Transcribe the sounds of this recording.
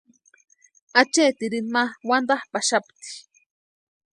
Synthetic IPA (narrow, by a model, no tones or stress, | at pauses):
at͡ʃeːt̪iɾinmawand̪ahpaʃapt̪i̥